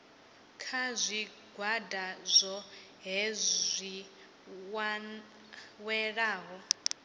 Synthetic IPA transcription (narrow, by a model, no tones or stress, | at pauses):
kʰazʷi | ɡʱwadazʷɔ | ɦɛzʷi | w | wɛɺaːɦɔ